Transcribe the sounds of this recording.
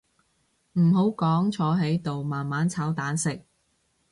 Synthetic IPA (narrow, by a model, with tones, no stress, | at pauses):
m̩˨˩ɦo˨˥wkɔː˨˥ŋt͡sʰɔː˨˧˥ɦe˨˥jt̪o˨wmaː˨nmaː˨˥nt͡sʰaː˨˥wt̪aː˨˥nsɪ˨k̚